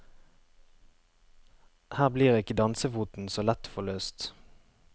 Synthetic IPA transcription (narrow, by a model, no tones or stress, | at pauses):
hæːʁbliːʁeːɪkəd̪ɑnsəfuːt̪n̩soːlɛt̪fɔløːst̪